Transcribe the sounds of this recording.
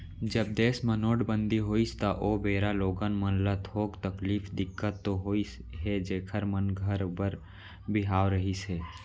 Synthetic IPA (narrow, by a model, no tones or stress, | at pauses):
d͡ʒəb̚d̪eːsmənoːɖbə̃nd̪iɦoːist̪aʔoːbeːɾaloːɡənmənlat̪ʰoːkt̪əkliːfd̪ɪkːət̪ːoɦoːisɦɛd͡ʒeːkʰəɾmənɡʱəɾbəɾ | bɪɦaːwɾəɦiseː